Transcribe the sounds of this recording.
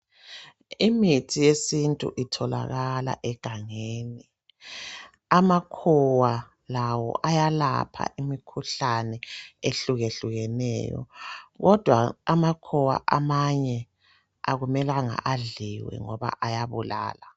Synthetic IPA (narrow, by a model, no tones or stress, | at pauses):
imitʰijesintʼṵʔitʰɔla̰ɣala̰ʔɛɡ̥ʱaŋeːni | amakʰɔwa | lawɔ̰ʔajala̰pʰa̰ʔimikʰuɬanɛeɬuɣeɬuɣɛnɛ̰ːjɔ̰ɣɔd̥ʱwaamakʰɔwa̰ʔamaɲɛ | aɣumɛlaŋa̰ʔaɮiwɛ̰ŋɔβa̰ʔajaβula̰ːla